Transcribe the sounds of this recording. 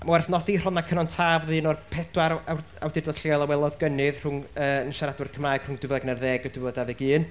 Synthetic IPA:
amawɛrθnɔdir̥ɔnakʰənɔntʰaːvðɨːnɔrpʰɛd̥waɾaw | awdɪrdɔɬialˠawɛlˠɔðɡənɨðr̥ʊŋəːənʃaɾadwɪrkʰəmraɨɡ̥rʊŋdɪvəɡnɛrðɛɡɔdɪvədavɛɡɨːn

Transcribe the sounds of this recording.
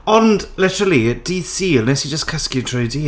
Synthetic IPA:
ɔndlɪtəɾəlˠiəd̥isiːlˠnɛsid͡ʒəskʰəskjɨtʰrɨwdiː

